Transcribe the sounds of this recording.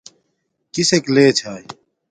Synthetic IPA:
kisekleːt͡ɕʰaːj

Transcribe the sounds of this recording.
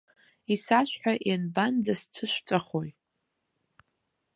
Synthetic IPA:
isaʃʷħᶣaʔjanband͡zast͡ɕʷʰɨʃʷt͡sʷʼaχoj

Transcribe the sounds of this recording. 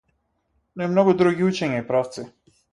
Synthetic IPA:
nɔjɛmnɔɡɔd̪ɾuɡiut͡ʃɛɲaipɾɔft̪si

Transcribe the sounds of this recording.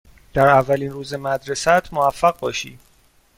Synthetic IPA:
d̪̥æɾævːæliːnɾuːze̞mæd̪ɾe̞sæt̪ʰmovæfːæɣ̚bɒːʃḭː

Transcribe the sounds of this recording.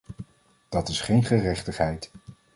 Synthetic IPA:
d̥ɑtɪsχejnχərɛχtəχɦɛjt

